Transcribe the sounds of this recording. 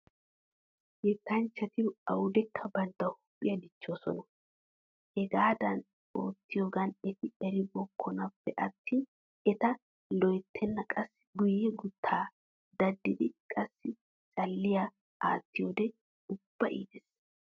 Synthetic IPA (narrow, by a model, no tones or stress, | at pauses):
jɛt̪ːɐnt͡ʃːɐt̪ɪɐwʊd̪ɛkʰːɐbɐnt̪ːɐwhʊ̥pʼːɪjɐd̪ɪt͡ʃːoːsɔ̰nɐ | hɛɡaːd̪ɐn | o̰ːt̪ːɪjoːɡɐnɛt̪ɪɛɾɪbɔkʰːɔnɐpːɛʔɐt̪ʰːiːn | ɛt̪ɐ | lɔjt̪ʰːɛnːɐkʼɐsːɪɡʊjːɛɡʊt̪ʰːaː | d̪ɐd̪ːɪd̪ɪkʼɐsːɪ | t͡ʃʼɐlːɪja | a̰ːt̪ːɪjoːd̪ɛ | ʊb̥ːɐʔḭːd̪ɛs